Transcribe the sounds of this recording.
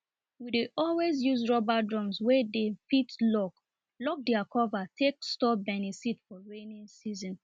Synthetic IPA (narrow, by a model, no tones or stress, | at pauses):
wideʔɔlwezjuzɹɔbadɹɔ̃mswɛdefitlɔk | lɔk̚dɛakʰɔvatʰekstɔbɛnisitfɔɹẽnĩnsizɔ̃n